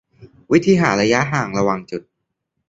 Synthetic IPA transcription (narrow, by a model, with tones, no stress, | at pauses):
wi˦˥t̪ʰiː˧ɦaː˩˦nɾa˧ja˦˥ʔɦaː˨˩ŋɾa˧wa˧ŋt͡ɕu˨˩t̪̚